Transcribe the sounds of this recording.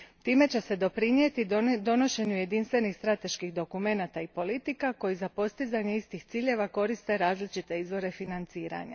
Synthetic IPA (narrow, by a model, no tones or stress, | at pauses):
t̪iːme̞t͡ɕe̞se̞d̪o̞pɾiɲje̞t̪id̪o̞no̞ʃe̞ɲuje̞d̪inst̪ʋe̞nixst̪ɾat̪e̞ʃkixd̪o̞kume̞nat̪aipo̞lit̪ikako̞jizapo̞st̪izaɲeist̪ixt̪siːʎe̞ʋako̞ɾist̪e̞ɾaːzlit͡ʃit̪e̞izʋo̞ɾe̞finant̪siːɾa̰ɲa̰